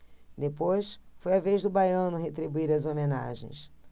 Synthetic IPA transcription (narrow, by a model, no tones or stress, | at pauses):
d̪epojsfojavejʒd̪ʊbajɐ̃nʊɦet̪ɾibuiɾɐzomena̰ʒḛ̃j̃s